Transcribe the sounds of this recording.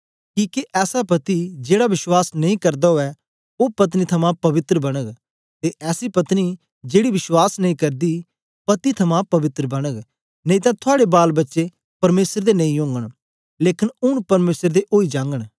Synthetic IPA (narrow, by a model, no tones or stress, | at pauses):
kiːkiʔɛːsapɐt̪id͡ʒeːɽabɪʃwaːsnɐĩkɐɾd̪aɦoɛ | opɐt̪nit̪ʰɐmãpɐʋɪt̪ɾəbɐɽ̃əɡ | t̪eʔɛːsipɐt̪ni | d͡ʒeːɽibɪswaːsnɐ̃ĩkɐɾd̪i | pɐt̪it̪ʰɐmãpɐʋɪt̪ɾəbɐɽ̃əɡ | nɐ̃ĩt̪ãt̪ʰʊaːɽebaːlbɐtːʃe | pɐɾmeːsəɾd̪enɐ̃ĩjʊ̃ːŋɡəɽ̃ | leːkɪnʊɽ̃pɐɾmeːsəɾd̪eʔoːid͡ʒãːŋɡəɽ̃